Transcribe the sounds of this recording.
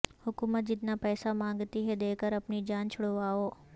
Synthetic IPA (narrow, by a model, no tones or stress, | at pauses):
hʊkuːmət̪̚d͡ʒɪt̪napɛːsamãːŋɡt̪iɦɛd̪eːkəɾɐpnid͡ʒaːnt͡ʃʰʊɽoʋaːoː